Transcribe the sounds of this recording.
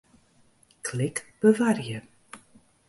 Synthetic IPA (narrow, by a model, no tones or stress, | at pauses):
kʰlɪkb̥əvarjə